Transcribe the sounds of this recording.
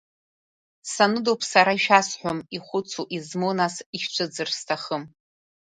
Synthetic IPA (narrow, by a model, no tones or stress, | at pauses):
sanɨdowpʰsaɾaiʃᶣasħʷᶣomiχʷʊt͡sʰuʔizmonasiʃʈ͡ʂʷʰɨd͡zɨrstʰaχəm